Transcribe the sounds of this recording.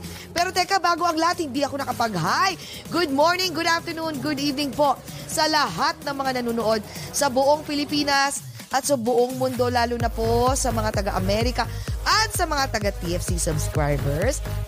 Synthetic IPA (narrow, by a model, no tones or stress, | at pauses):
pɛːɾot̪ɛkɐbaːɡo̞ʔɐŋlɐhat̪̚hɪnd̪iʔɐko̞nɐkɐpɐɡɦaj | ɡʊd̪̚moɹnɪŋɡʊd̪aft̪ɛɹnunɡʊd̪ivnɪŋpo̞ | sɐlɐɦat̪̚nɐŋmɐŋanɐnuːnoʔo̞d̪̚sɐbʊʔo̞ŋpɪlɪpiːnɐs | ʔɐt̪̚sɐbʊʔoŋmʊnd̪o̞laːlonɐposɐmɐŋat̪ɐɡaʔɐmɛɾɪkɐʔɐt̪̚sɐmɐŋat̪ɐɡat̪iʔɛfsisɐbskɹa̰jbɛɹs